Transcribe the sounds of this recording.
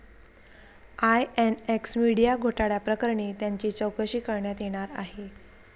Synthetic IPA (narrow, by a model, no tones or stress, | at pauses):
ajɛneksmiɽijaɡʱoʈaɽjapɾəkəɾɳiːt̪jaɲt͡ɕiːt͡ɕəwkəɕiːkəɾɳjat̪jeɽ̃aɾa̰ɦe